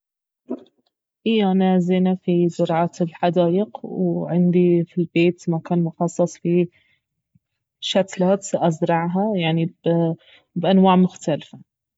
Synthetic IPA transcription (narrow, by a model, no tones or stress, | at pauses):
ʔɪjaʔanazeːnafizʊɾˤʕaːt̪ɪlħad̪aːʔɪqwʕɪnd̪ifilbeːt̪makaːnmʊxɑsˤːɑsˤfi | ʃat̪laːt̪ʔazɾˤɑʕɦajaʕnib | bʔanwaːʕmʊxt̪alfa